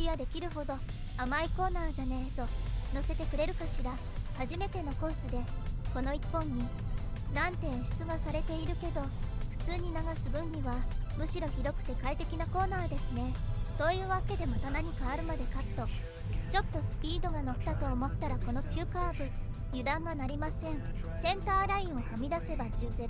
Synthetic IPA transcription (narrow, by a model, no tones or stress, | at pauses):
iɡad̪e̞kʲiɾɯ̟ɦo̞d̪o̞ | amaiko̞ːnaːʑanezo̞nose̞t̪e̞kɯ̟ɾe̞ɾɯ̟kaɕiɾa | haʑime̞t̪e̞no̞ko̞ːsɨd̪e̞ko̞no̞ipːõ̞ɲ̟ːi | nãnt̪ẽ̞ɰ̃ɕi̥t͡sɨɡasaɾe̞t̪e̞iɾɯ̟ke̞d̪o̞ɸɯ̟̥t͡sɨːɲ̟inaɡasɨbɯ̟̃ɲ̟ɲiβamɯ̟ɕiɾo̞çiɾo̞kɯ̟̥t̪e̞kait̪e̞kʲinako̞ːnaːd̪e̞sɨne̞so̞ːjɯ̟ːβake̞d̪e̞mat̪anaɲ̟ikaːɾɯ̟mad̪e̞kat̪ːo̞ | t͡ɕo̞t̪ːo̞sɨ̥pʲiːd̪o̞ɡano̞t̪ːat̪o̞ːmo̞t̪ːaɾako̞no̞kʲɨːkaːbɯ̟ | jɯ̟d̪ãŋɡanaɾʲimasẽ̞ɴsẽ̞nt̪aːɾaĩɰ̃o̞hamʲid̪ase̞bad͡ʑɨːze̞ɾo